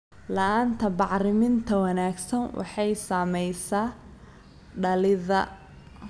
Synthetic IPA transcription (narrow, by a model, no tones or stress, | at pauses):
lɐaːnt̪ʰɐbɑʕɾɪmɪnt̪ʰɐwɑnaːɡsɐnwɑ̰ħɑjsaːmɛjsaː | ɖɐlɪðɐ